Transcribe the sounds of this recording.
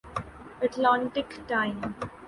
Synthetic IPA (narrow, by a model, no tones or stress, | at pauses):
əʈlãːɳʈɪkʈãɪ̃m